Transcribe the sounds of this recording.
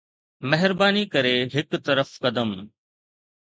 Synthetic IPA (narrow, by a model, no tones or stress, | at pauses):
mɛɦɪɾbaːnikɐɾeɦɪkt̪ɐɾəfkɐd̪əm